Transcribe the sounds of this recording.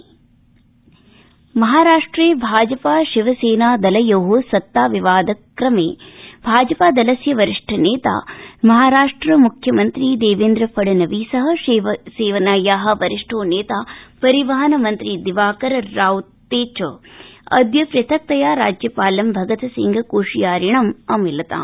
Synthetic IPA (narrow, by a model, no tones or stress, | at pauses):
mɐɦaːɾaːʂʈɾeːbʱaːd͡ʒɐpaːʃiʋɐseːnaːd̪ɐlɐjoːɦosɐt̪ːaːʋiʋaːd̪ɐkɾɐmeːb̥ʱaːd͡ʒɐpaːd̪ɐlɐsjɐʋɐɾiʂʈʰɐneːt̪a̰ːmɐɦaːɾaːʂʈɾɐmukʰjɐmɐnt̪ɾiːd̪eːʋeːnd̪ɾɐpʰɐɽɐnɐʋiːsɐɦɐ̆ʋseːʋɐnaːjaːɦɐ̆ʋɐɾiʂʈʰoːneːt̪aːpɐɾiʋɐɦɐnɐmɐnt̪ɾid̪iʋaːkɐɾɐɾaːwut̪ːeːt͡ʃ | ɐ̰d̪jɐpɾɐt̪ʰɐk̚t̪ɐjaːɾa̰ːd͡ʒjɐpaːlɐmbʱɐɡɐt̪ɐsḭŋɡʱɐkuːʂijaːɾiɳɐmɐmilɐt̪a̰ːm